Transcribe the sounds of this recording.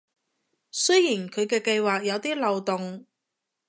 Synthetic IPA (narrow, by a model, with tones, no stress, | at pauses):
sɵ˥jiː˨˩nkʰɵ˨˧ɥkɛː˧kɐ˧jwaː˨˩k̚jɐ˨˧wt̪iː˥lɐ˨˧wt̪ʊ˨ŋ